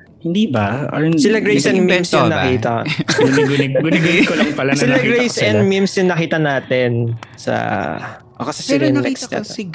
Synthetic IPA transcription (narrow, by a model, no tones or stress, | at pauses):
hɪnd̪iːbɐʔnssɪlaɡɹejsɛnmimsjʊŋnɐkiːt̪ɐɡnɡɡʊɪɡʊkolɐŋpɐlansɪlaɡɾejsɛnd̪mimsjʊŋnɐkiːt̪ɐnaːt̪ɛnsɐ̰ | ʔokɐsɐsɛɾɛnt̪ɛkst̪ɛ̰